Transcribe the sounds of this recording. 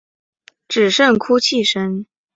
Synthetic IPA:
ʈ͡ʂɻ̩˨˩ʂə˥˩ŋkʰu˥t͡ɕʰi˥˩ʂə˥n

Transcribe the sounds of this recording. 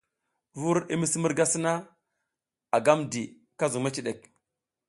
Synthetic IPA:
vu˦ɾi˦mi˦si˦mu˦ɾɡa˦si˦na˦ | a˨ɡa˦mdi˨ | ka˦zu˨ŋma˦t͡ʃi˨ɗe˨k̚

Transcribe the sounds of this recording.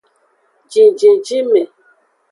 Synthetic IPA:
d͡ʒi˨d͡ʒĩ˨d͡ʒi˦mɛ˨

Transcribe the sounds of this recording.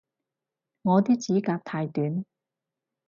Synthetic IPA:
ŋɔː˨˧t̪iː˥k̚t͡siː˨˥kaː˧k̚t̪ʰaː˧jt̪yː˨˥n

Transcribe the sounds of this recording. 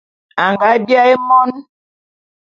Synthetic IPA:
a˨ŋɡa˨˦bja˦e˦mɔ˦n

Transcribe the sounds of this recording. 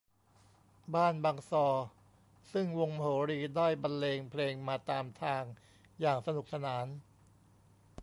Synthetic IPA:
baː˥˩nbaː˧ŋsɔː˧ | sɯ˥˩ŋwo˧ŋm˧ɦoː˩˦ɾiː˧daː˥˩jba˧nleː˧ŋpʰleː˧ŋmaː˧t̪aː˧mt̪ʰaː˧ŋ | jaː˨˩ŋsa˧nu˨˩k̚sa˧naː˩˦n

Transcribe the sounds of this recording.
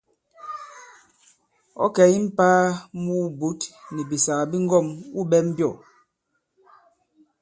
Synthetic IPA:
ɔ̰˦kɛ˨˦i˦m̩˦paː˦muː˦bu˨˦tni˨bi˨sa˨a˨bi˦ŋ˦ɡɔ˦˨mu˦bɛ˦m̩˦bjɔ˦˨

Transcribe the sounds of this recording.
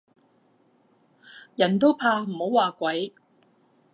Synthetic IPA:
jɐ˨˩nt̪o˥wpʰaː˧m̩˨˩ho˨˥waː˨kʷɐ˨˥j

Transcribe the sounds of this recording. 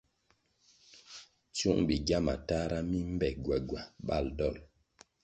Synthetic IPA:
t͡su˦ŋbi˨ɡja˦ma̰˨ta˦ɾa˦mi˦m̩˦bɛ˨ɡwɛ˨ɡwa˨ɓa̰˦˨ldɔ˦˨l

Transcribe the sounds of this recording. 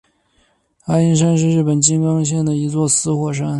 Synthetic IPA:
a˥i˥nʂ̬a˥nʂɻ̩˥˧ɻɻ̩˥˩pə˨˩nt͡ɕi˥ŋkɑ˥ŋɕ̬jɛ˥˩nd̪ə˩i˧˥t͡swɔ˥˩sɹ̩˥xwɔ˨˩ʂ̬a˥n

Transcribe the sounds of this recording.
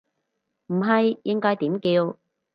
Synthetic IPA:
m̩˨˩ɦɐ˨jjɪ˧˥ŋkɔː˧˥jt̪iː˨˥mkiː˧w

